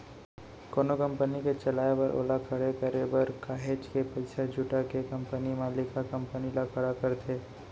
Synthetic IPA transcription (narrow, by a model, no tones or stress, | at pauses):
koːnokɐ̃mpəniket͡ʃɐlaːebɐɾʔo̰ːlakʰəɽekəɾebɐɾkaːɦeːd͡ʒkepɐɪsad͡ʒʱʊʈakekɐ̃mpənimãlɪkakɐ̃mpənilakʰəɽakɐɾt̪ʰeː